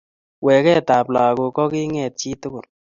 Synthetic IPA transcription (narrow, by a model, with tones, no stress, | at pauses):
wɛ˨kɛ˦ta˨pla˨ko˧kɔ˦ki˦ŋɛ˨t̚t͡ʃi˦tʊ˦kʊ˨n